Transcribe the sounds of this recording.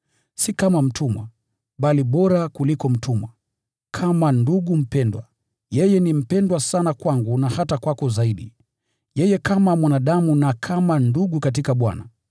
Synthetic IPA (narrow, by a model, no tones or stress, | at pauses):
sikamam̩tʰumwa̰ | ɓaliɓɔɾakulikɔm̩tʰumwa | kʰamanduɠum̩pɛndwa̰ | jɛjɛnim̩pɛndwasanakwaŋɡunahatakwakɔzaiɗḭ | jɛjɛkamamwanaɗamunakʰamanduɠukat̬ikaɓwa̰na